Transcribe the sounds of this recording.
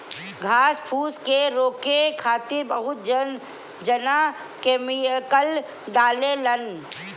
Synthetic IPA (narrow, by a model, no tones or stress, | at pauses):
ɡʱaːspʰuːskeɾoːkekʰaːt̪ɪɾbəɦʊt̪̚d͡ʒ | d͡ʒəna | kemijkəl | ɖaːlelən